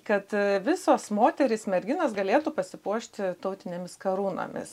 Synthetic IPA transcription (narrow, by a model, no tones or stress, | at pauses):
kɐt̪ʋʲɪsoːsmoːt̪ʲɛɾʲɪsmʲɛɾʲɡʲɪnɐsɡɐlʲeːt̪uːpɐsʲɪpuɔʃʲt̪ʲɪt̪ɐʊt̪ʲɪnʲemʲɪskɐɾuːno̰ːmʲɪ̰s